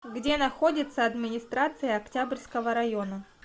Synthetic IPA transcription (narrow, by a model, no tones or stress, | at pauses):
ɡdʲe̞nɐxo̞dʲɪt̪səɐd̪mʲɪnʲɪst̪ɾat̪sɨjəɐktʲabrʲskəvəɾɐjonə